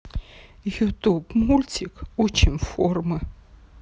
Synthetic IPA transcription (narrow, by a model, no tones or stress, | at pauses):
jut̪ʰʼubmulʲtʰikʰut͡ʃʰimfɔrmɨ